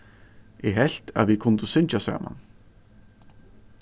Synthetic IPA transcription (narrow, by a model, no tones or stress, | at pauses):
ɛɦɛl̥t̪a̰ðvikʰʊnt̪ʏsʏnt͡ʃasa̰ːma̰n